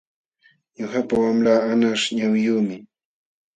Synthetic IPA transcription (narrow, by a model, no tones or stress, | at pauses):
ɲʊhapawamɾaːanaʃɲawjuːmɪ